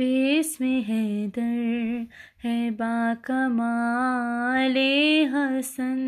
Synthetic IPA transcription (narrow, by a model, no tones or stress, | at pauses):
esmeɦed̪ɐɾ | hɛbaːkɐmaː | leɦɐsɐn